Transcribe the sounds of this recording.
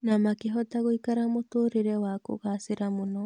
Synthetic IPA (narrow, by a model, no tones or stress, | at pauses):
namakeɦɔtaɣoikaɾamotoːɾeɾɛwako̰ɣaseɾamonɔ